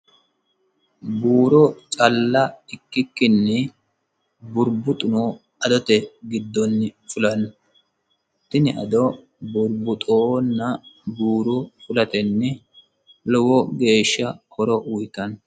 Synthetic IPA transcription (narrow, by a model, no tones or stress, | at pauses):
buːɾɔt͡ʃʼɐlːɐɪkːɪkːɪnːɛ | bʊɾbʊt̪ʼʊno | ɐd̪ɔt̪ɛɡɪd̪ːɔnːɪfʊlɐnː | t̪ːɪnɪʔɐ̰d̪ɔ | bʊɾbʊt̪ʼonːɐbuːɾɔfʊlɐt̪ɛnːɛ | lɔwɔɡe̞ːʃːɐhɔɾɔwʊjk̪ɐn